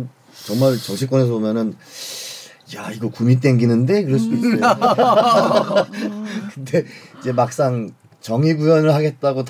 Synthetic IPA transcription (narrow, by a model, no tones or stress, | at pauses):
n | t͡ɕʌŋmaɭt͡ɕʌɕʰik͈wʌne̞s̬ʰʌbomjʌnɯn | jaiɡʌkumit͈e̞ŋɡinɯnde̞kɯɾʌɭs͈udois | kɯnde̞id͡ʑe̞mak̚s͈aŋ | t͡ɕʌŋiɡujʌnɯɭhaɡe̞t̚t͈aɡot